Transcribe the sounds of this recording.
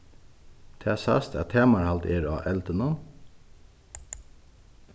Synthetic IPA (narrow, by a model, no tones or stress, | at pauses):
t̪ʰeːsæ̰st̪ʰæ̰ːt̪ʰeːmɑɾhɑlt̪eːɾɑ̰ːʔɛlt̪ənɔm